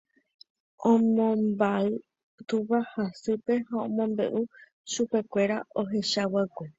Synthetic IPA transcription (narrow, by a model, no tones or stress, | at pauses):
õmõmbaɨ | t̪uβahasɨpe̞haõmõ̞mbe̞̰ʔu | ʃupe̞kʷe̞ɾao̞ɦe̞ʃawakʷe